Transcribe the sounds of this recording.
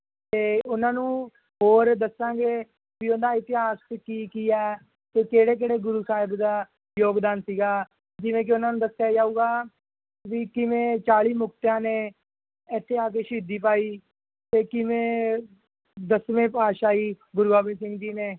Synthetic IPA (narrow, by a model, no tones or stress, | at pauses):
t̪eːʊnãːnũː | ɦoːɾd̪əsːãːɡeː | ʋiːʊnd̪aːɪt̪ɪɦaːskiːkiːɛː | t̪eːkeːɽeːk̬eːɽeːɡʊɾuːsaːɦɪbd̪aː | joːɡd̪aːnsiːɡaː | d͡ʒɪʋẽːk̬ɪʊnãːnũːd̪əsjaːd͡ʒaːuːɡaː | ʋiːkɪʋẽːt͡ʃaːɭiːmʊk̚t̪jãːneː | ɪt̪ʰːeːaːk̬eːʃiːd̪iːpaːiː | t̪eːkɪʋẽː | d̪əsʋẽːpaːʃaːiː | ɡʊɾuɡaːbeːs̬ɪ̃ŋɡd͡ʒiːneː